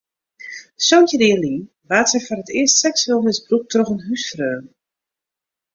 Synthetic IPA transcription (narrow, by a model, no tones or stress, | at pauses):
sontjədɪːlin | ʋaːtsɛjfɔrətɪəstsɛksəlˠmɪsbruk̚trɔxənɦysfrøːn